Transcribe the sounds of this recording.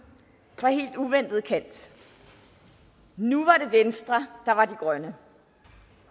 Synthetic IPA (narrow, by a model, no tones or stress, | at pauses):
ʋɑ̈ɦe̝̰ːld̥uʋen̰d̥ð̩ˠkʰæn̰d̥ | nuʋɑ̈ɾe̝ʋensd̥ʁɐd̥ɑ̈ʋɑ̈diɡ̥ʁɶnə